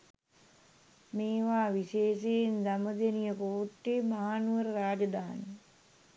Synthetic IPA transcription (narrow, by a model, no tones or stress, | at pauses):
meːʋaːʋiʃeːʃejindaməd̪enijəpouʈːeːmaɦaːnuʋəɾəɾaːd͡ʒəd̪aːni